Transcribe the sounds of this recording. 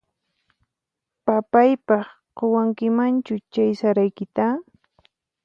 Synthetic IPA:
papajpɑχ | qowaŋkɪmant͡ʃʊt͡ʃajsaɾajkɪt̪a

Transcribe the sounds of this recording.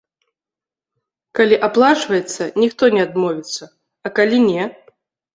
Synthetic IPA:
kalʲiʔaplˠat͡ʂvɐjɛt̪sːɐnʲixt̪ɔnʲɛad̪mɔvʲit̪sːɐ | ɐkalʲinʲɛ

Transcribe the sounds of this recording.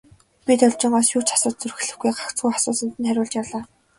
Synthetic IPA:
pit̪ɔɮʲt͡ɕɪ̆ːɴɢɔːsjuːrt͡ɕḁsʊːt̪̚t͡sɵrxɘ̆ɮɘ̆xɡujɢḁkt͡sɡujχasʊːsə̆nt̪ɘ̆nχæɾʲʊːɮt͡ɕjawɮaː

